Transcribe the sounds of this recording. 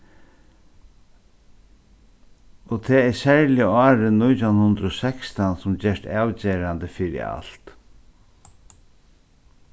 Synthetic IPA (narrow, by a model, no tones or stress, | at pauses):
ɔt̪ʰɛːɛsɛɹlɪəɑːɾənːʊjt̪ʰaʊnhʊnd̪ɾəɔsɛkst̪ansʊmd͡ʑɛʂt̪aːwt͡ɕeːɾand̪əfɪːɾɪ̰a̰l̥t̪